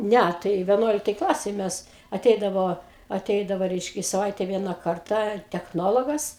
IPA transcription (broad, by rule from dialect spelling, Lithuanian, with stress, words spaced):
ˈnʲæ tɐɪ ʋʲɛˈnuɔlʲɪktɐj ˈklˠɑːsʲeːj ˈmʲɛs ɐˈtʲɛɪdɐʋoː ɐˈtʲɛɪdɐʋoː ˈrʲɛɪʃʲkʲɛ ɪ sɐˈʋɐɪtʲɛ ˈʋʲiɛnɐ ˈkɐrtɑː tʲɛxˈnoːlˠoːɡɐs